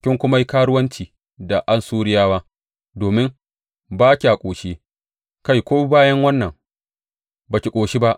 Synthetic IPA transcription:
kʲɪ˦ŋkʷʊ˦ma˦ji˦kaː˦ɽʊ˦wɐ˦nt͡ʃiː˨ | da˨ʔa˦nsuː˦ɽɪ˦jaː˦waː˦ | doː˨mɪ˦ŋ | baː˦kʲi˨ʔa˨kʷʼoː˨ʃeː˦ | ka˦jkʷoː˦baː˦jɐ˦ŋwɐ˦nːɐ˨ŋ | baː˨kʲi˨kʷʼoː˨ʃi˦ba˦ʔ

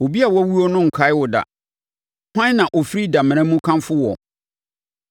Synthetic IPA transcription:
o˨bi˦a˨wɔ˦wu˦ɔ˦nʊ̃˦ŋ̩˨kʰa˦ɪ˦wʊ˨da̰˨ | hã˦n˦nã˨ʔɔ˨fi˦ɾi˦da˨m̃˨ɛ̃˦mũ˦kʰã˦mfʊ˦wɔ˨

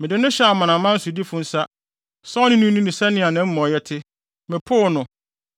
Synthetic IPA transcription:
mɪ̃˨dɪ˨nʊ̃˦ɕɛ˦a˨mã˨nã˨˦mã˦n̩˦sʊ˨di˦fʊ̃˦n̩˦sa˦ | sɔ˦nɪ̃˦nũ˦nũ˦nĩ˨sa˦nɪ̃˦˨a˨nã˦m̩˦mɔ̃˨jɛ˦tʰɪ˦ | mɪ̃˨pʰʊ˦˨˦nʊ̃˨

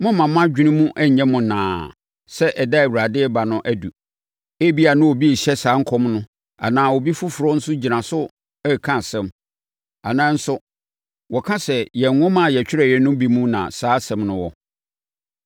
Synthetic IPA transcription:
mʊ̃˦mã˨mã˦d͡ʑᶣi˦nĩ˦mũ˦ʔɛ˦ɲ˨ɲɛ̃˦mʊ̃˨nã̰ː˨ | sɛ˦ʔɛ˨da˦æ˨wu˨ɾa˨dɪ˦ɛ˦ba˨nʊ̃˦ʔæ˦du˨ | e˦bi˦a˨nʊ̃˦o˨bi˦e˨ɕɛ˦saː˨˦ŋ̩˦kʰɔ˦mnʊ̃˦ | a̰˨nãː˨˦wɔ˨bi˦fʊ˦fʊ˨ɾɔ˦n̩˦sʊ˦d͡ʑi˨nã˨sʊ˦ | ɛ˦kʰã˦˨sɛ̃˦m | a˨nãː˨˦n̩˦sʊ˦ | wɔ˨kʰã˦sɛ˨jɛ˨ŋ˦ŋʊ̃˦mã˦˨jɛ˨t͡ɕᶣɪ˦ɾɛ˦˨jɛ˦nʊ̃˦bi˦mũ˦nã̰˨saː˦sɛ̃˦mnʊ̃˦wɔ˦

